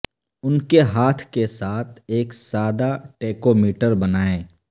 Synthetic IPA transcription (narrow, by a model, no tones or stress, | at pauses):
ʊnkeɦaːt̪ʰkesaːt̪ʰeːksaːd̪aʈeːkomiːʈəɾbɐnaːeː